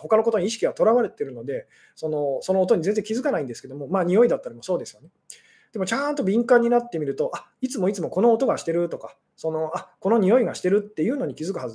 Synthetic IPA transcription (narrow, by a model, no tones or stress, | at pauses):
ho̞kano̞ko̞t̪oɲiɕ̬i̥kʲiβat̪o̞ɾaβaɾe̞t̪e̞ɾɯ̟no̞d̪e̞ | so̞no̞so̞noːt̪o̞ɲ̟izẽnzd͡zẽŋkʲizɨkanaĩnd̪e̞sɨ̥ke̞d̪o̞mo̞maːɲ̟io̞id̪at̪ːaɾʲimo̞so̞ːd̪e̞sɨjo̞ne̞ | d̪̥e̞mo̞t͡ɕãnt̪o̞bʲĩŋkãɲ̟ːinat̪ːe̞mʲiɾɯ̟t̪o̞ʔait͡sɨmo̞it͡sɨmo̞ko̞no̞ːt̪o̞ɡaɕi̥t̪e̞ɾɯ̟t̪o̞ka | so̞no̞ʔako̞no̞ɲ̟io̞iɡaɕi̥t̪e̞ɾɯ̟t̪ːe̞jɯ̟ːno̞ɲ̟ikʲizɨkɯ̟haz